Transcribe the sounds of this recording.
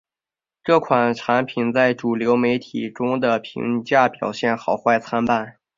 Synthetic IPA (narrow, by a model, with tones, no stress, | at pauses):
ʈ͡ʂɤ˥˩kʰwa˨˩nʈ͡ʂʰa˧˥npʰi˨˩nt͡sa˥˩ɪʈ͡ʂu˨˩ljo˧˥ʊme˧˥ɪt̪ʰi˨˩ʈ͡ʂʊ˥ŋd̪ə˨pʰḭ˧˥ŋt͡ɕja˥˩pjɑ˨˩ʊɕjɛ˥˩nxɑ˨˩ʊxwa˥˧ɪt͡sʰa˥npa˥˩n